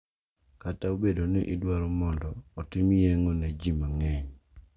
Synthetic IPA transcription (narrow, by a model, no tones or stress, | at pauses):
kataobedonɛʔidwaɾɔmɔndɔːtɪmijeŋoned͡ʒimaŋɛɲ